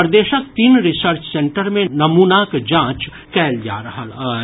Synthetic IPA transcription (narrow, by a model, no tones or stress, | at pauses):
pəɾd̪eːʃək̚t̪iːnɾɪsəɾt͡ʃsẽɳʈəɾmẽnɐmuːnakd͡ʒãːt͡ʃ | kɛːld͡ʒa̰ːɾɐɦəl